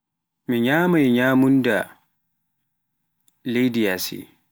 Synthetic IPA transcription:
miɲaːmajɲaːmunda | lejdijasḭ

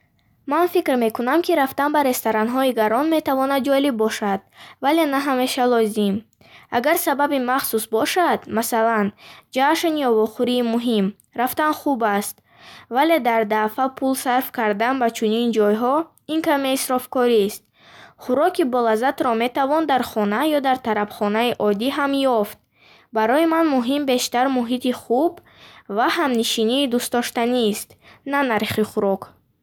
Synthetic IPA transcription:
manfikɾme̞kunamkʰiɾaft̪anbaɾe̞st̪aɾanɦɔiɡaɾɔnme̞t̪ʰavɔnad̪̚d͡ʒɔlibːɔʃad̪̥̚vale̞naɦame̞ʃalɔzim | a̰ɡaɾsababimaχsusbɔʃad̪masaland͡ʒaʃnijɔvɔχuɾiːmuɦim | ɾaft̪anχubast̪ | vale̞d̪aɾd̪afapʰulsaɾfkʰaɾd̪anbat͡ʃʰunind͡ʒɔjɦɔ | iŋkʰameisɾɔfkɔɾist̪̚ | χuɾɔkibɔlazat̪ɾɔme̞t̪avɔnd̪aɾχɔnajɔd̪aɾt̪ʰaɾabχɔnaiʔɔd̪iɦamjɔft̪̚ | baɾɔjimanmuɦimbe̞ʃt̪aɾmuɦit̪iχub | vahamniʃiniːd̪ust̪̚ɔʃt̪anist̪nanaɾχiχuɾɔk

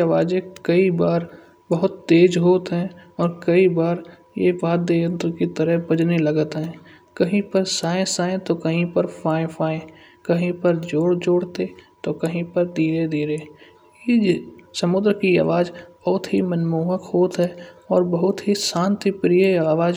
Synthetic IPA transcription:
aʋaːd͡ʒekəibaːɾ | bəɦʊt̪ːeːd͡ʒɦoːt̪ɦɛ̃ɔːɾkəibaːɾ | jḛbaːt̪̚d̪eːjə̃nt̪kit̪əɾəɦbəd͡ʒneləɡət̪ɦɛ̃ː | kəɦĩpəɾsaːẽsaːẽt̪okəɦĩpəɾpʰaːẽpʰaːẽ | kəɦĩpəɾd͡ʒoːɽd͡ʒoːɽt̪et̪okəɦĩpəɾd̪iːɾed̪iːɾe | jesəmʊd̪ɾkia̰ʋaːd͡ʒb̥ɐɦʊt̪ɦimənmuːɦəkɦoːt̪ɦɛːɔːɾbəɦʊt̪ɦisãːnt̪ipɾijəaːʋaːd͡ʒ

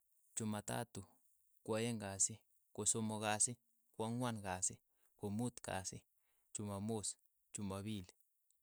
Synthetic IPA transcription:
t͡ʃumat̪a̰t̪u | kʷajeŋɡasi | kosomoɣasi | kʷaŋwanɡasi | komut̪ka̰sḭ | t͡ʃumamos | t͡ʃumaβil

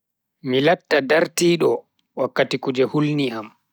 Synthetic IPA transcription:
milatːadaɾtiːɗɔ | wakːatikud͡ʒɛhulniʔam

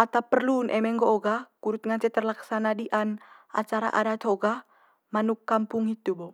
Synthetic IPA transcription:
ʔat̪apərlunʔɛ̰mɛŋɡoːɡakuɾut̪̚ŋant͡ʃɛt̪ərlaksanadiʔan | a̰t͡ʃaɾa̰ʔa̰dat̪ʰoɡa | manukːampuŋit̪ubo

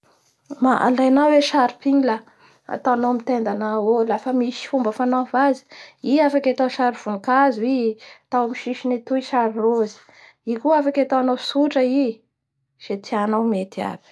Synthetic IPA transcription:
maʔa̰lajnawweʃaɾi̥piɲila | a̰t̪aanawmit̪end̪anaolafəmiʃi̥fumbəfanavazi̥iafakʲat̪awʃaɾiv̥unikazit̪awmiʃiʃinet̪uiʃaɾirozi̥ | ikuafakʲat̪awanawsuʈ͡ʂəi | z̥et̪ianawmet̪ia̰b̥i̥

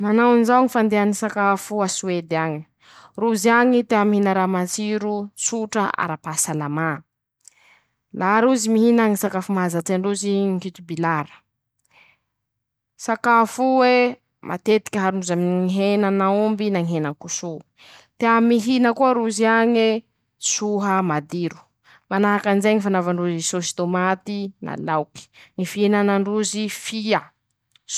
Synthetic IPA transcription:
manawanzaŋifand̪eanisakafuasued̪iaɲi̥ | ruziaɲit̪eamiɦinəɾamat͡siɾusuʈ͡ʂəa̰ɾapasalama | laɾuzimiɦinaŋisakafumaazat͡saɳɖ͡ʐuziŋkit̪ubilaɾə̥ | sakafuwe | mʔa̰t̪et̪i̥kʲəɦaɾunuzaminiiɦenanaumbinaŋiɦenaŋkusu | t̪eamiɦinəkuəɾuziaɲi | suɦəmad̪iɾu̥ | manaɦakanzeɲifanavaɳɖ͡ʐuzisosi̥t̪omat̪inʔa̰lawki̥ŋifiinanaɳɖ͡ʐuzifia

